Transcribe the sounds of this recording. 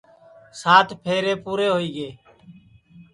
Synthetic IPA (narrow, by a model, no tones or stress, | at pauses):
saːt̪ʰpʰeːɾeːpuːɾeːɦoːiːɡeː